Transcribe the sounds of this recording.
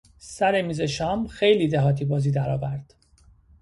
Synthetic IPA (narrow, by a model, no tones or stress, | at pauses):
sæɾemiːze̞ʃɒːmxe̞jliːd̪eɦɒːt̪ʰiːbɒːziːd̪æɾɒːvæɾd̪̥